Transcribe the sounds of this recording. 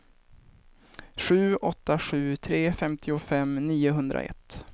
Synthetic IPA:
ɧʉ̟ːɔt̪ːaɧʉ̟ːt̪ʰɾeːfɛmt̪ʰɪʊfɛmniːʊɦɵnd̪ɾa̰ʔɛ̰t̪ː

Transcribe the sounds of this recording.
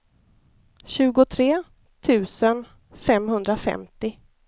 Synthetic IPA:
ɕʉ̟ːɡʊt̪ʰɾeː | t̪ʰʉ̟ːsən | fɛmhɵnd̪ɾafɛ̰mt̪ɪ

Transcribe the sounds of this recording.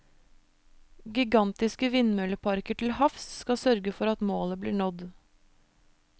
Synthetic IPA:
ɡɪɡɑnt̪ɪskəʋɪnmœləpʰɑɾkəʈʰl̩hɑfsːkɑsœɾɡəfɔɾɑt̪moːləbliːɳɔd̪

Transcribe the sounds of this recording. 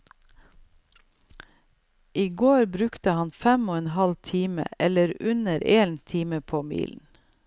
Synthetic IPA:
ʔiːɡoːɾbɾʉkt̪əhɑnfɛmoːɛnhɑlt̪ʰiːmə̰ɛləɾʉnəɾeːnt̪ʰiːməpʰoːmḭːln̩

